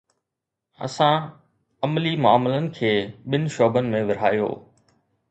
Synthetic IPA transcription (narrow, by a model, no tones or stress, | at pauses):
ɐ̰sã | ɐmlimʊaːmɪlənɪ̆kʰeːɓɪnɪ̆ʃoːbənɪ̆mẽʋɪɾ̤aːjo̰ː